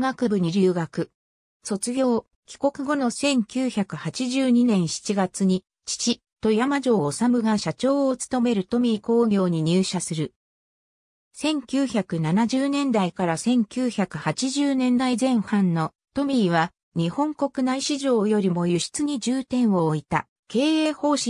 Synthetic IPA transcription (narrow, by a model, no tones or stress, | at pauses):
ɡakɯ̟bɯ̟ɲ̟iɾʲɨːɡakɯ̟ | so̞t͡sɨɡʲo̞ː | kʲi̥ko̞kɯ̟ɡo̞no̞sẽ̞ŋkʲɨːçakɯ̟hat͡ɕiʑɨːɲ̟inẽ̞ɰ̃ɕi̥t͡ɕiɡat͡sɨɲ̟i | t͡ɕi̥t͡ɕi | t̪o̞jamaʑo̞ːsamɯ̟ɡaɕat͡ɕo̞ːot͡sɨ̥t̪o̞me̞ɾɯ̟t̪o̞mʲiːko̞ːɡʲo̞ːɲ̟iɲ̟ɨːɕasɨɾɯ̟ | sẽ̞ŋkʲɨːçakɯ̟nanaʑɨːnẽ̞nd̪aikaɾasẽ̞ŋkʲɨːçakɯ̟hat͡ɕiʑɨːnẽ̞nd̪aizẽ̞ɰ̃hãnːo̞ | t̪o̞mʲiːβ̞a | ɲ̟ihõ̞ŋko̞kɯ̟naiɕiʑo̞ːjo̞ɾʲimo̞jɯ̟ɕi̥t͡sɨɲ̟id͡ʑɨːt̪ẽ̞ɰ̃βo̞ːit̪a̰ | ke̞ːeːho̞ːɕi